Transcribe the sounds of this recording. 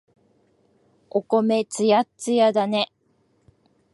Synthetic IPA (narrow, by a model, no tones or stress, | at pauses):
oko̞me̞t͡sɨjat͡sɨjad̪ane̞